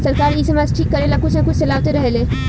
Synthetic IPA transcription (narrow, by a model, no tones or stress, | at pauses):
sɐɾkaːɾɪsemasʈʰiːkːɐɾelakʊt͡ʃʰnakʊt͡ʃʰselaːwt̪eɾɐɦeleː